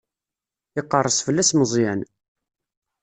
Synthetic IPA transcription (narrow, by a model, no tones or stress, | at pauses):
ɪqːərˤːəsˤfəlːæsmzˤin